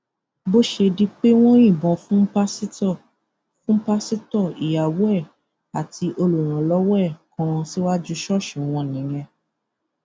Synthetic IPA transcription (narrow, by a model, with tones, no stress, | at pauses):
bo˦ʃe˧di˦k͡pe˦w̃ɔ̃˦ĩ˦˨bɔ̃˧fũ˦pa˦si˦˨ | fũ˦pa˦si˦tɔ˦˨i˨ja˨wɔ˦ɛ˦˨ | a˨ti˧ʔo˧lo˨ɾ̃ã˨lɔ˨˦wɛ˦˨kɔ̃˧si˦wa˦d͡ʒu˧ʃɔ˦˨ʃɛ˨w̃ɔ̃˧˨nĩ˨˦jɛ̃˧